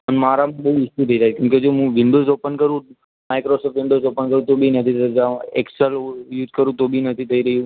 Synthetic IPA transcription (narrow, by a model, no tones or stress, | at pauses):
pənmaːɾamãɓɐɦuɪʃũt̪ʰəiɾaɦkjũːked͡ʒoːɦũːʋɪ̃ɳɖoːzoːpənkəɾũ | maɪkɾoːsɔːfʈʋɪ̃ɳɖoːzoːpənkəɾũt̪obʱinət̪ʰit̪əd͡ʒãeksəljuːzkəɾũt̪obʱinət̪ʰit̪ʰɐiɾəɦijũ